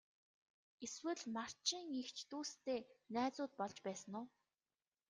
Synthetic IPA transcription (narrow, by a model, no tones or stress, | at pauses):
eswɘ̆ɮmar̥t͡ɕĭŋext͡ɕʰt̪uːst̪eːnæːt͡sʊːt̪̚pɔɮt͡ɕpæːsə̆nʊː